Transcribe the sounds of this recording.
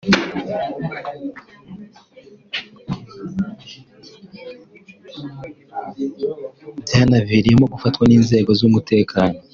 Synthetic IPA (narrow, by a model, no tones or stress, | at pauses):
bjaːnaviɾijemoɡufatkwaniːnze̞ːɡo̞zumute̞ːkʰaːno̞